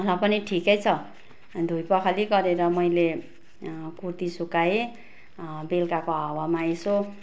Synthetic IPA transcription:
ʌlapʌniʈʰikʌjt͡sʰʌ | d̪ʱujpʌkʰaliɡʌɾeɾʌmʌjle | kurt̪isukae | belkakoawamaeso

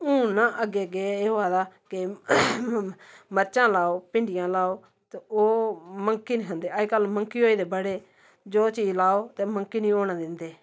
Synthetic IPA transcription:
ũːnãːʔəɡeːɡeeːoːaːd̪aːkɪ | məɾt͡ʃãːlaːoːpɪ̃ɳɖɪjãːlaːoː | t̪eoːməŋkiːnĩːkʰə̃nd̪eːəkəlməŋkiːɦoːiːd̪eːbəɽeː | d͡ʒoːt͡ʃiːd͡ʒlaːoːt̪eːməŋkiːnĩːoːɽaːd̪ɪnd̪eː

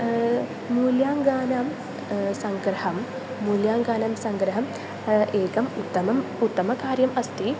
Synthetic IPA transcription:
muːljaːŋɡaːnaːm | sɐŋɡɾɐɦɐmː | uːljaːŋɡaːnaːmsɐŋɡɾɐɦɐm | eːkɐmut̪ːɐmɐmut̪ːɐmɐkaːɾjɐmɐst̪i

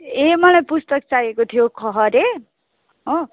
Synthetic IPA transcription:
emʌlajpust̪ʌk̚t͡sajekot̪ʰijokʰʌɦʌɾe | ɦo

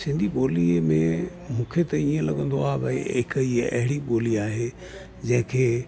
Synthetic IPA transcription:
sɪ̃nd̪ʱiɓoːlimẽ | mũːkʰet̪ɐiːə̃lɐɠə̃nd̪oaːɦebɐɪkiɐ̰ɦɪɽiɓoːliaːɦe | d͡ʑɐ̃ɦɪ̃kʰeː

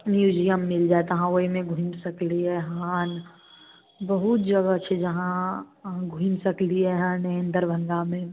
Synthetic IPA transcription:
mjuːd͡ʒijəmːɪld͡ʒat̪ɦãoːimẽɡʱũinsɐkliɦɛɦaːn | bəɦut̪d͡ʒɐɡat͡ʃʰed͡ʒɐɦã | ɡʱũinsəkliɦɛɦãːnəə̃nd̪əɾbʱə̃ŋɡamẽ

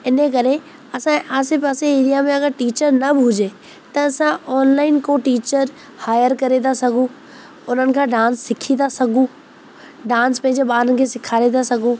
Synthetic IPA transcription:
ɪnək̬ɐɾe | ɐsãʔaːsɪpaːseeːɾijamẽɐɡəɾʈiːt͡ɕəɾnɐbʱʊd͡ʑe | t̪ɐːsãɔːnlaːɪnkõʈiːt͡ɕəɾ | haːjəɾkɐɾet̪asɐɡʱũ | ʊn̤ənɪ̆kʰãːɖãːnsːɪkʰit̪asɐɡʱũ | ɖãːnspɐ̃ɦɪ̃ɲd͡ʑebaːɾənɪ̆kʰesɪkʰaːɾed̪asɐɡʱũː

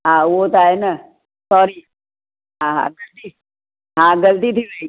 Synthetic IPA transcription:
ɦãʋot̪aena | sɔɾi | ɦãɦã̰ɡəlt̪i | ɦãɡəlt̪it̪ʰiʋe

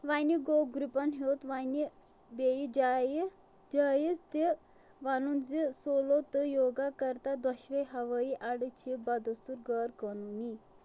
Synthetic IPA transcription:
ʋajniɡoɡɾupanɦewt̪ʋani | bejid͡ʑaji | d͡ʒajid͡zt̪e | ʋanund͡zesolot̪əjoɡakəɾt̪ad̪aɕʋejɦaʋəiʔaɽət͡ɕʰibad̪əst̪uɾɡəɾkənuni

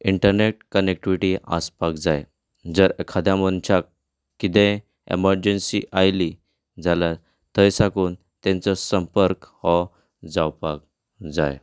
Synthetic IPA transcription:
iɳʈəɾneʈ̚kənek̚ʈiʋiʈia̰spakd͡zaj | d͡zəɾekʰad̪ʱjamənt͡ɕʰakː | it̪ɛ̃ | ḛməɾd͡ʑənsḭʔajli | d͡zʱala | t̪ʰəjsakuːn | t̪ɛ̃nt͡sɔsəmpəɾkhɔ | d͡zawpak̚ | d͡za̰j

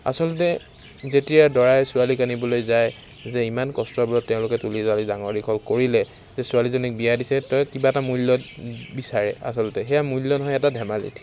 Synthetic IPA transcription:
a̰sɔltɛ | zetijadɔɹajsʊwalikanibɔlojzaj | zɛimankɔstɹɔbɔlɔtːɛʊ̃lʊkɛtulizalidaŋɔɹikʰɔlkoɹilɛ | zɛsʊalizɔnik̚bijadisɛtɔjkibaɛtamulːɔtbisaɹɛa̰sɔlɔtɛxɛjamulːɔnɔɦɔjɛtadʱɛmalḭtʰ

